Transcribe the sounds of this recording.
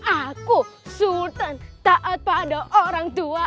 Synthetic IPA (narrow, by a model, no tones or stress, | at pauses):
akusut̪ənt̪aʔət̪̚padaʔoɾaŋd̪ua